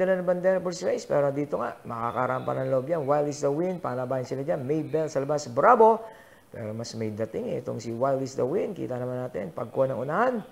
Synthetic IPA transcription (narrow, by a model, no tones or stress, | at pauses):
alanɐbɐnd̪ɛɾpəɾsɾajspɛ̰ɾod̪iːt̪oŋa̰ʔmɐka̰kaɾampa̰nanlobjanwajlisd̪ɐwinpa̰nabajɪnsɪlad͡ʒanmɛjbɛlsɐlɐbasbɾabo | pɛ̰ːɾomasmɛjd̪ɐt̪ɪŋɛ̰t̪oŋsiwajld̪isd̪ɐwinkḭːt̪anɐmanːaːt̪ɛ̰npɐɡ̚koʔonɐŋʔunahan